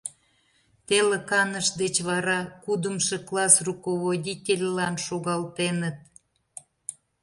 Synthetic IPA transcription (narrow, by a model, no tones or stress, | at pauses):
t̪eləkɑnəʃd̪et͡ɕβɑɾɑkud̪əmʃeklɑsrukoβodʲitʲelʲlɑnʃoɣɑlt̪enət̪̚